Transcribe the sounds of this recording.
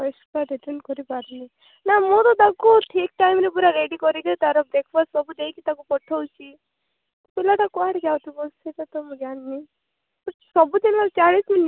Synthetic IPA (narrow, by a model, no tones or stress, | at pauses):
ɔjsaɾeʈeɳʈkɔɾipaɾni | namõt̪ɔt̪akuʈʰik̚ʈajmɾipuɾaɾeɖikɔɾiɡ̪et̪aɾɔbɾekʰbassɔbud̪eikit̪akukɔʈʰɔwt͡ʃʰi | t̪ɔpelat̪akuaɽiɡawt̪ʰibɔlset̪at̪ɔmũɡjanːi | pɔsɔbut̪enlalt͡ʃaɽismin